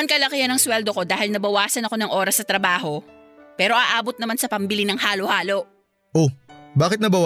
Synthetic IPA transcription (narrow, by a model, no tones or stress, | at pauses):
ɐnkɐlɐkɪjɐnɐŋswɛld̪oko̞d̪aːhɪlnɐbɐwaːsɐnɐko̞nɐŋʔo̞ːɾɐsnɐt̪ɾɐbaːɦo̞ | pɛːɾo̞ʔaːʔaːbo̞t̪̚nɐmansɐpɐmbɪlinɐŋhaːlohaːlo̞ʔ | ʔobaːkɪt̪nɐbɐw